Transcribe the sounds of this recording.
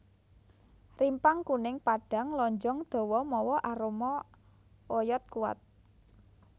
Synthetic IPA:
rimpaŋkunɪŋpaɖ̥a̤ŋlɔɲd͡ʒɔŋd̪̥o̤wɔmɔwɔʔaɾomɔ | ojɔt̪̚kuwa̰t̪̚

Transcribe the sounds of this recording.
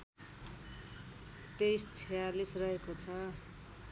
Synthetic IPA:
t̪est͡sʰijalisrʌɦekot͡sʰʌ

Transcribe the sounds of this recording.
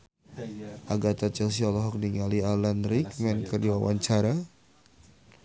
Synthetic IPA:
ʔaɡat̪at͡ʃɛls̬iɔlɔɦɔk̚niŋalialanɾikmɛnkədiwawa̰ɲt͡ʃaɾa

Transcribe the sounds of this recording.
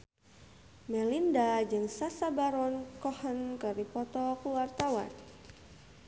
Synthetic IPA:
mɛlindad͡ʒɨŋsasabaɾɔnkɔhənkəɾipɔt̪ɔkuwart̪awa̰n

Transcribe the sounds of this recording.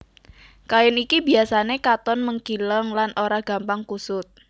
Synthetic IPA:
kajɪnikibiasanekat̪ɔnməŋkiləŋlanʔoɾaɡ̥a̤mpaŋkusʊt̪̚

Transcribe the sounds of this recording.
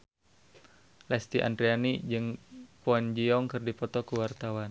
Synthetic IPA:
lɛst̪iʔa̰nd̪ɾianid͡ʒɨŋpoand͡ʒiɔŋkɨrdipɔt̪ɔkuwart̪awan

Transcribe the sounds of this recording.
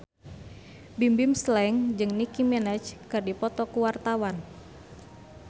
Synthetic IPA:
bimbimslɛŋd͡ʒɨŋnikimɛnɛt͡ʃkɨrdipɔt̪ɔkuwart̪awan

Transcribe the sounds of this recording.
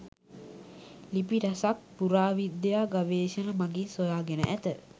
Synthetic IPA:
lipiɾasak̚puɾaːʋid̪jaːɡaʋeːʃənəmaɡinsojaːɡenə̰ʔæt̪ə

